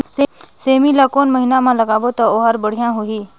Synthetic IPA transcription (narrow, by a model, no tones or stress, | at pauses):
seseːmilakoːnməɦinamãlɐɡaːʋot̪aoːɦəɾbəɽ̤ijãɦʊiː